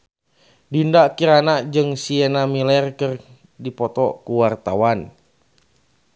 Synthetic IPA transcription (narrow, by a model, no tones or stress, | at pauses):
dindakiɾanad͡ʒɨŋsiɛnamilɛrkɨr | dipɔt̪ɔkuwart̪awan